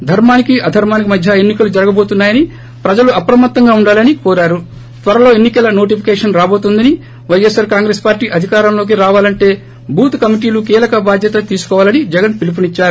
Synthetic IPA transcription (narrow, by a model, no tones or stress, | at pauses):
d̪ʱɐɾmaːnikiʔɐd̪ʱɐɾmaːnik̬imɐd̪ʱjɐenːikɐlud͡ʒɐɾɐɡɐbo̞ːt̪unːaːjɐni | pɾɐd͡ʒɐluɐpɾɐmɐt̪ːɐŋɡaːuɳɖaːlɐnikoːɾaːɾu | t̪ʋɐɾɐlo̞ːenːikɐlɐno̞ːʈipʰi̥kɛːʂɐnɾaːbo̞ːt̪und̪ɐni | ʋɐjesɐɾkaːŋɡɾeːspaːɾʈːiːʔɐd̪ʱikaːɾɐmlo̞ːk̬iɾaːʋaːlɐɳʈe̞ː | bʱuːt̪kɐmiʈiːlukiːlɐkɐbaːd̪ʱjɐt̪ɐt̪iːsu̥kɔːʋaːlɐnid͡ʒɛɡɐnpilip̬unit͡ʃːaːɾu